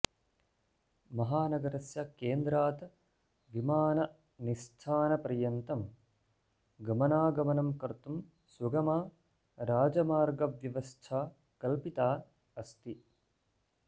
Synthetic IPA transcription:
mɐɦaːnɐɡɐɾɐsjɐkeːnd̪ɾaːt̪ | ʋimaːnɐ | nist̪ʰaːnɐpɐɾjɐnt̪ɐm | ɡɐmɐnaːɡɐmɐnɐmkɐɾt̪um | swɐɡɐmaː | ɾaːd͡ʒɐmaːɾɡɐʋjɐʋɐst̪ʰaː | kɐlpit̪aː | ɐst̪i

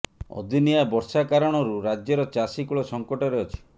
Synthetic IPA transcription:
ɔ̰d̪ʱiniabɔɾsakaɾɔɽ̃ɔɾuɾad͡ʒjɔɾɔt͡ʃasikuɭɔsɔŋkɔʈɔɾeɔt͡ʃʰi̥

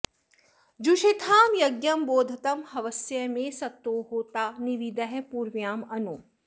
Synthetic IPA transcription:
d͡ʒuʃet̪ʰaːmjɐɡjɐmboːd̪ʱɐt̪ɐmhɐʋɐsjɐmẽsɐt̪ːoːɦoːt̪aːnɪʋid̪ɐɦpuːɾʋjaːmɐnoː

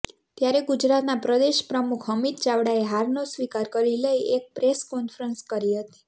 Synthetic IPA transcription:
t̪jaɾeɡud͡ʒɾat̪napɾəd̪eʃpɾəmukʰɦəmit̪̚t͡ʃaʋɽaeɦaɾnosʋikaɾkəɾiləiek̚pɾeskɔnfɾənskəɾiɦət̪i̥

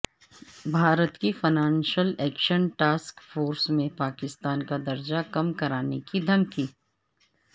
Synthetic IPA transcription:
bʱaːɾət̪kifɐnaːnʃəlɛːkʃənʈaːskfoːɾsmẽpaːkɪst̪aːnkad̪ɐɾd͡ʒakɐmkɐɾaːnekid̪ʱɐmkiː

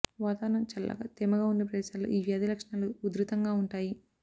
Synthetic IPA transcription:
ʋaːt̪aːnɐmt͡ʃɐlːɐ̰ɡa̰t̪emɐɡaːunːɐp̬ɾɐd̪ɛːʃaːlo̰ːʔiːʋjaːd̪ilɐkʂɐɳaːluːd̪ɾut̪ɐŋɡaːuɳʈaːji

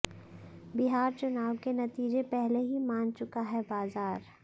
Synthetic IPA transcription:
bɪɦaːɾt͡ʃʊnaːwkenɐt̪iːd͡ʒepɛɦleɦimãːnt͡ʃʊkaɦɛbaːzaːɾ

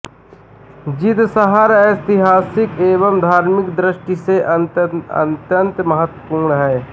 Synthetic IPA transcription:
d͡ʒɪt̪səɦaɾɛt̪ɪɦaːsɪkeːʋəmd̪ʱaːɾmɪkd̪ɾɪʃʈiseʔə̰nt̪jənt̪mɐɦət̪wəpuːɾɳəɦɛː

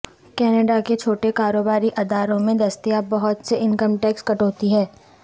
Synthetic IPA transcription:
kɛːnəɖaket͡ʃʰoːʈekaːɾoːbaːɾiʔɐd̪ʱaːɾõmẽd̪ɐst̪ijabɐɦʊt̪seɪnkəmʈɛːkskɐʈɦoːt̪iɦɛː

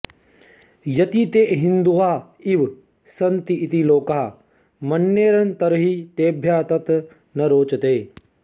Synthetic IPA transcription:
jɐt̪it̪eːʔɦind̪uʋaːiʋ | sɐnt̪iːt̪iloːkaː | mɐnːjeːɾɐnt̪ɐɾɐɦit̪eːbʱjaːt̪ɐt̪ | nɐɾoːt͡ʃɐt̪eː

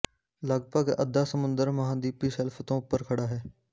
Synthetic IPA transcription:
ləɡpəɡɐ̰d̪ʱaːsəmʊ̃nd̪əɾmɐɦãːd̪iːpiːsɛlft̪õʊpːəɾkʰəɽaːɦeː

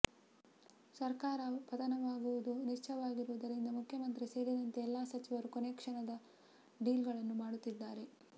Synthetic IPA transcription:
sɐɾkaːɾɐpɐt̪ɐnɐʋaːɡuʋud̪uniʂt͡ʃɐʋaːɡiɾuʋud̪ɐɾind̪ɐmukʰjɐmɐnt̪ɾise̞ːɾid̪ɐnt̪eːlːaːsɐt͡ʃiʋɐɾukoneːkʂɐnɐd̪ɐ | ɖiːlɡɐɭɐnːumaːɽut̪ːid̪ːaːɾe̞

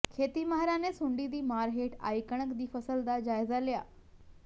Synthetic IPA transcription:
kʰeːt̪imaɦɾanesuɳɖid̪iːmaːɾɦeʈa̰ːjkəɽ̃əkd̪iːfəsəld̪ad͡ʑaːjzalja̰ː

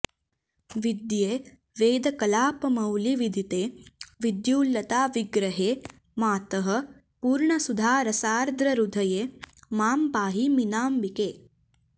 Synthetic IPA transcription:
ʋid̪jeː | ʋeːd̪ɐkɐlaːpɐmɐwliʋid̪ʱit̪eːʋid̪juːlːɐt̪aːʋiɡɾɐɦeː | maːt̪ɐɦɐ̆ | puːɾɳɐsud̪ʱaːɾɐsaːɾd̪ɾɐɾud̪ʱɐjeːmaːmpaːɦiminaːmbikeː

